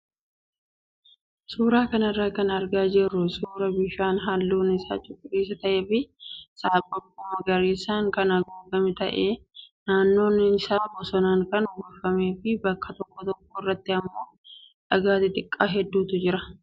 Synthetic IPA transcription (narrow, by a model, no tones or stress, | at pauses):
suːɾaːkɐnrːaːkɐnɐɾɡaːd͡ʒɛrːʊsuːɾɐbɪʃaːnɦalːuːnɪsa̰ːt͡ʃʼʊkʼːʊreːsɐt̪ɐʔeːfɪsaːbʼɐbʊmɐɡɐɾeːsaːŋkɐnɐɡoːɡɐmɪt̪ɐ̰ʔeːnaːnːo̞ːnːɪɪsaːbɔsɔnaːŋkɐnʊɡɐfːɐme̞ːfɪbɐkːɐt̪ɔkːɔt̪ɔk̚ːɔɪrːɐt̪ːɪɐmːo̞ː | ᶑɐɡaːt̪ɪt̪ʼɪkʼːaːɦɛd̪ːuːt̪ʊd͡ʒɪɾɐ